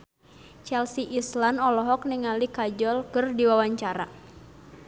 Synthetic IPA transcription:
t͡ʃɛlsiʔislanɔlɔɦɔk̚niŋalikad͡ʒɔlkɨrdiwawaɲt͡ʃaɾa̰

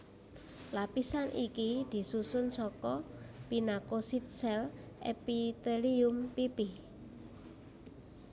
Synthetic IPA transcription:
lapisanʔikid̪̥i̤susʊnsɔkɔpinakosit̪̚sɛlʔepit̪eliʊmpipi

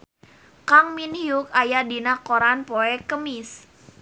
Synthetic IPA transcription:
kaŋminjuk̚ajadinakoɾanpoɛkəmis

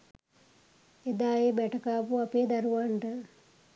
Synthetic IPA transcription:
ed̪aːjebɛʈɐkaːpuapeːd̪aɾuʋaɳʈə

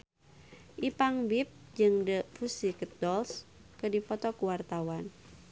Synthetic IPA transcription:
ʔipaŋbip̚d͡ʒɨŋdəfusikət̪̚dɔls | kədipɔt̪ɔkuwart̪awan

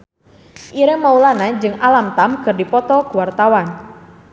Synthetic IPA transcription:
ʔiɾɛmaulanad͡ʒɨŋalamt̪amkɨrdipɔt̪ɔkuwart̪awan

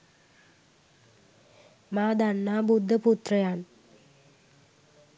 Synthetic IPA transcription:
maːd̪aɳːaːbud̪ʱːɐput̪rɐjaːn

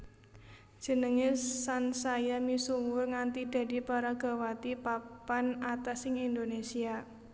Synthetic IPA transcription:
ʒ̥ə̤nəŋesansajamisuwʊrŋant̪id̪̥a̤d̪i̤paɾaɡ̥a̤wat̪ipapanat̪asɪŋind̪onesia

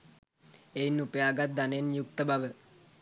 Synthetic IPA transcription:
ejnupəjaːɡat̪̚d̪anenjuk̚t̪əbʱaʋə

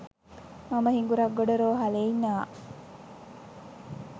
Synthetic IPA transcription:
mɐməhiŋɡuɾɐɡːoɖoɾoːɦɐleiɲːaː

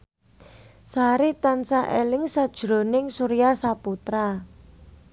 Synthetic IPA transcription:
saɾit̪ansaʔelɪŋsad̥ʒ̥ɾo̤nɪŋsuɾijasaput̪ɾa

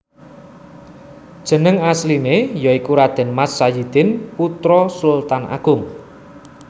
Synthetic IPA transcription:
d̥ʒ̥ə̤nəŋaslinejɔikuɾad̪̥ɛ̤nmasːajid̪̥ɪnput̪ɾɔsult̪anʔa̰ɡ̥ʊŋ

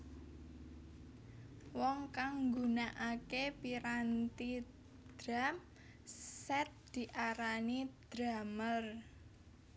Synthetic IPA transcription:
wɔŋkaŋɡunaʔakepiɾant̪i | d̪̥ɾam | sɛt̪̚d̪̥i̤ʔaɾanid̪̥ɾamər

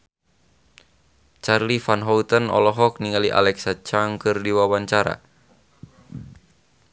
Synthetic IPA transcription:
t͡ʃarlifanɦɔut̪ənɔ̰lɔɦɔk̚niŋaliʔa̰lɛksat͡ʃaŋkɨrdiwawaɲt͡ʃaɾa̰

